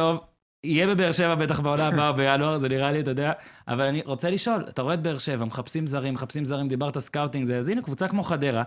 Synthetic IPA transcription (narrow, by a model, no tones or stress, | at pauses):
o̞v | ijebe̞beːʁʃe̞vabe̞t̪aχbeolabaobejanuaʁzeniʁaliatojod̪eaʔa̰valaniʁo̞t͡se̞liʃo̞la̰t̪aʁo̞eːt̪beeʁʃe̞vameχapsimzaʁimːeχapsimzaʁimd̪ibaʁt̪alskawt̪iŋɡzeazinukvut͡sakmo̞χad̪e̞ʁa